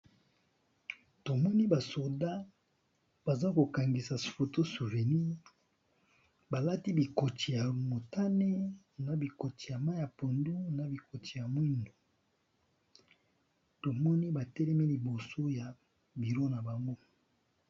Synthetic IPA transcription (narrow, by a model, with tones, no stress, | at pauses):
to˨mɔ˦ni˦ba˨so˨da˦ | b̥a˨za˦ko˨ka˨ŋɡi˨sa˨fo˨to˦su˨ve˨ni˦ | ba˨la˦ti˦bi˨ko˨ti˨ja˨mo˨ta˦ne˦ | na˨bi˨ko˨ti˨ja˨ma˦ja˨po˨ndu˦na˨bi˨ko˨ti˨ja˨mwi˦ndo˨ | to˨mɔ˦ni˦ba˨tɛ˦lɛ˦mi˦li˨bo˨so˦ja˨ | bi˨ɾo˦na˨ba˨ŋɡo˦